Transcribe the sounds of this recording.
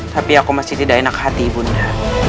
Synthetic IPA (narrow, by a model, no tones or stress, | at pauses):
t̪apiakumasit̪idainakahat̪ibunda